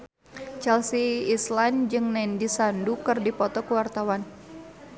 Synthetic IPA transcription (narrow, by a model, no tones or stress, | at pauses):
t͡ʃɛlsiːsland͡ʒɨŋnɛndisandukɨrdipɔt̪ɔkəwart̪awan